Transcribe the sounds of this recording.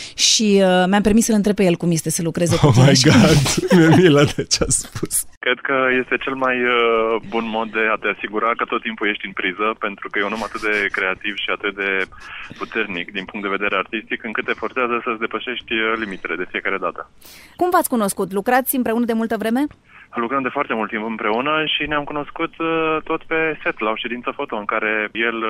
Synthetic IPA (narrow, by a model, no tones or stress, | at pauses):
ʃiəmeampe̞rmisəɨnt̪ɾepeje̞lkumjest̪e̞səlukɾe̞zeomajɡat̪memilad̪et͡ʃeaspuskɾe̞d̪kəje̞st̪e̞t͡ʃe̞lmajbunmo̞d̪̚ːe̞at̪easiɡuɾakət̪o̞t̪ːimpuje̞ʃt̪ʲɨnpɾizəpe̞nt̪ɾukəjeunomat̪ɨt̪̚d̪e̞kɾe̞at̪iv̥ʃiat̪ɨt̪̚d̪e̞put̪e̞rnikd̪inpuŋkt̪d̪eve̞d̪e̞ɾe̞art̪ist̪ikɨŋkɨt̪ːe̞fort̪seazəsəsʲd̪e̞pəʃe̞ʃt̪ʲlimit̪e̞le̞d̪e̞fie̞kaɾe̞d̪at̪ə | kumvat̪sʲkuno̞skut̪lukɾat̪sʲɨmpɾe̞unəd̪e̞mult̪əvɾe̞me̞ | lukɾəmd̪e̞foart̪e̞mult̪ːimpɨmpɾe̞unəʃineamkuno̞skut̪t̪ːo̞t̪pe̞se̞t̪lao̞ʃe̞d̪int̪səfo̞t̪o̞ɨŋkaɾe̞je̞l